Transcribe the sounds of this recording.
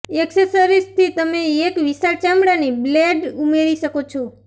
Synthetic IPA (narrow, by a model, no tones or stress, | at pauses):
eksesəɾist̪ʰit̪əmeːkʋisaɾt͡ʃamɽanibleɖumeɾiʃəkot͡ʃʰo